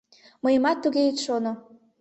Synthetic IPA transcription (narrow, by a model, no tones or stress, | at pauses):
məjəmɑt̪ːuɣeit̪ʃono